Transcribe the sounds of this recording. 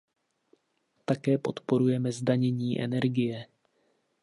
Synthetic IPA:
t̪akɛːpo̞t̪po̞ɾujɛmɛzdaɲɛɲiːʔɛ̰nɛɾɡɪjɛ

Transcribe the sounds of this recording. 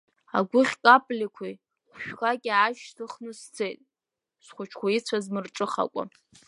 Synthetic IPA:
a̰ɡʷʊχʲkʼapʼlʲikʷʰoj | χʷʃᶣkʰakʲʼaʒtʰɨχnɨst͡sʰejtʼ | sχʷʊt͡ʃʰkʷʰait͡sʷʰazmɨrʈ͡ʂʼɨχa̰kʷʼa̰

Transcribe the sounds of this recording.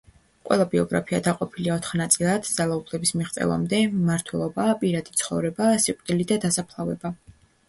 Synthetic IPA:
qʼwɛ̰lˠabiɔɡɾa̰pʰia̰d̪aqʼɔpʰiliaɔt̪ʰχnat̪sʼilˠad̪̥d̪zalˠaupʰlɛbismiʁt̪sʼɛ̰lˠa̰md̪ɛmaɾt̪ʰwɛlˠɔbapʼiɾad̪it̪sʰχɔ̰vɾɛbasiqʼd̪̥ilid̪ad̪asapʰlˠavɛba

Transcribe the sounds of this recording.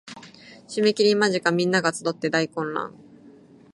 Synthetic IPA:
ɕime̞kʲiɾʲimaʑikamʲĩnːaɡat͡sɨd̪o̞t̪ːe̞d̪aikõ̞nɾã̰ŋ

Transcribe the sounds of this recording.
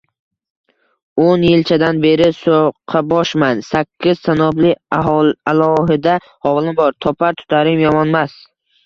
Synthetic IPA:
onjɪlt͡ʃʰad̪anbe̞ɾɪsoqʰːɑbɒʃmansakʲʰːɪz̥sanɒblɪaɒalˠɒɦɪd̪a | hɒvlˠɪmbɒɾt̪ʰɒpʰaɾt̪ʰʊ̥t̪ʰaɾɪmjɒmɒnmas

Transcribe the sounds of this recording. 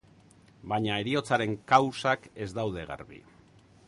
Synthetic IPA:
baɲae̞ɾio̞t͡saɾe̞ŋkawsake̞zd̪awðe̞ɣ̞a̰ɾβḭ

